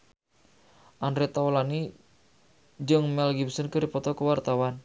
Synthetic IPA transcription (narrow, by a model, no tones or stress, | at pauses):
ʔandɾɛt̪aɔlani | d͡ʒɨŋmɛlɡibsənkəɾipɔt̪ɔkəwart̪awan